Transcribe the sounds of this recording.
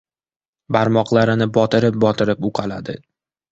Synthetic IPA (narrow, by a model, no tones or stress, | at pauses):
baɾmɒqlˠaɾɪnɪbɒt̪ʰɪɾɪp̚bɒt̪ʰɪɾɪpʊqʰɑlad̪ɪ